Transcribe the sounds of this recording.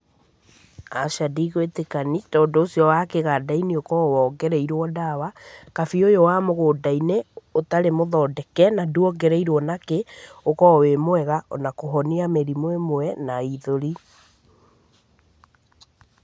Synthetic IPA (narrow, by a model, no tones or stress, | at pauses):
aʃadiɣwetekanitɔːndoːsiɔwaːkeɣadainiokɔwɔːɡɛɾɛiɾwɔdawakafiojowamoɣoːdaineotaɾemoðɔːdɛkɛnaduɔɡɛɾɛiɾwɔnakeokɔwemoɛɣaʔɔ̰nakoɦɔniamɛɾimwɛmoɛnaiðoɾi